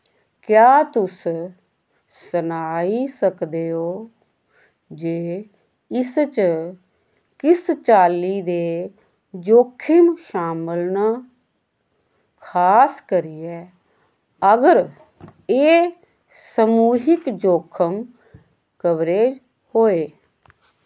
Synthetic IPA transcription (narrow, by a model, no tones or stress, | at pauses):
kjaːt̪ʊs | sənaːisəkd̪eːɦoː | d͡ʒeː | ɪst͡ʃ | kɪst͡ʃaːliːd̪eː | d͡ʒoːkʰɪmʃaːməlnaː | kʰaːskəɾiɛː | əɡəɾ | eː | səmuːɦɪkd͡ʒoːkʰəm | kəʋɾeːd͡ʒ | hoːeː